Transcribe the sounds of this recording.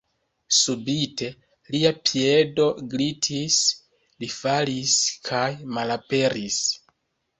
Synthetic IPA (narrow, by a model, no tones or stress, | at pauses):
subite̞ | liapʰie̞do̞ɡlitʰis | lifaliskʰajmalape̞ɾis